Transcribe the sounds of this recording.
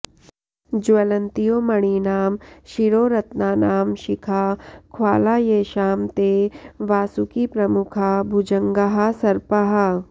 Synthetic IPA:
d͡ʒʋɐlɐnt̪ijoːmɐɽ̃inaːmʃiɾoːɾɐt̪naːnaːmʃɪkʰakʰwaːlaːjeːʃaːmt̪eːʋaːsukipɾɐmukʰabʱud͡ʒɐ̃ŋɡɐɦasɐɾpɐɦɐ

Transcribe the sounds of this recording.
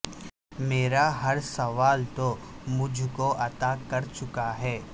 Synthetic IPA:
meːɾaɦɐɾsɐʋaːlt̪omʊd͡ʒʱkoʔɐt̪akɐɾt͡ʃʊkaɦɛː

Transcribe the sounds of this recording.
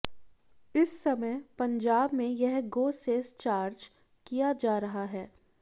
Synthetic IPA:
ɪsːɐməjpɐ̃ɲd͡ʒaːbmẽjɛɦɡoːseːst͡ʃaːɾd͡ʒ | kijad͡ʒaːɾɐɦaɦɛː

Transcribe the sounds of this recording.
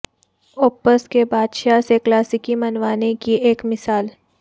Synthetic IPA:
oːpəskebaːd̪ʃaseklaːsɪkimɐnʋaːnekieːkmɪsaːl

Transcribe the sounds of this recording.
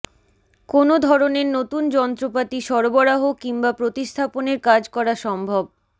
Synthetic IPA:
konod̪ʱɔɾoneɾnot̪und͡ʑɔnt̪ɾopat̪iʃɔɾboɾaɦokiŋbapɾot̪ist̪ʰaponeɾkad͡ʑkɔɾaʃɔmbʱob

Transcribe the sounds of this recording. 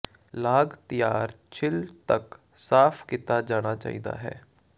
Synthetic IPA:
laːɡt̪ɪjaːɾt͡ʃʰɪlt̪ək | saːpʰkit̪ːaːd͡ʒaːɽ̃aːt͡ʃa̰ːḭːd̪a̰ːɦɛ̰ː

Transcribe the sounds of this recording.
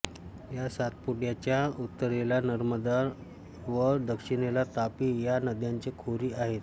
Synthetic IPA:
jasat̪̚puʈjat͡ɕjaut̪ːəɾelanəɾməd̪aɾ | ʋəɾd̪əkʂinelat̪apiːjanəd̪jaɲt͡sekʰoɾiːaɦet̪

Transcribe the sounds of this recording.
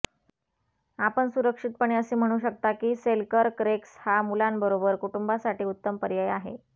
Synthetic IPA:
apəɳsuɾəkʂit̪̚pəɳ̃eəsiːm̤əɽ̃uːɕəkt̪akiːselkəɾkɾekshamulanbəɾobəɾkuʈumbasaʈiːut̪ːəmpəɾjəjaɦḛ

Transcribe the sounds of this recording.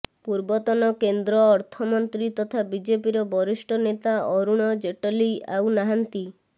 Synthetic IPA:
puɾbɔt̪ɔnɔkend̪ɾɔːɾt̪ʰɔmɔnt̪ɾit̪ɔt̪ʰabid͡ʒepiɾɔbɔɾisʈʰɔnet̪aɔɾuɽ̃ɔd͡ʒeʈɔlia̰wnaɦant̪i

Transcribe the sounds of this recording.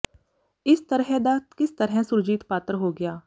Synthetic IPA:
ɪst̪əɾɦɛ̃d̪aːt̪kɪst̪ɐɾɦɛ̃sʊɾd͡ʒiːt̪paːt̪ɾɦoːɡɐjaː

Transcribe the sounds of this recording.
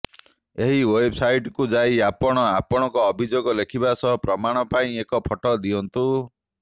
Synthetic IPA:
eɦiwejbsajʈkud͡ʒajapɔɽ̃ɔapɔɽ̃ɔŋkɔːbʱid͡ʒoɡɔlekʰibasɔɦɔpɾɔmaɽ̃ɔpaĩekɔpʰɔʈɔd̪iɔnt̪u

